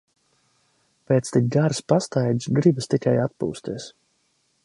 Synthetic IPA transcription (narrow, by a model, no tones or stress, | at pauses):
peːt̪st̪ik̚ɡaɾspast̪ajd̪ʲsɡɾibɨst̪ikajat̪̚pṵːst̪iɛs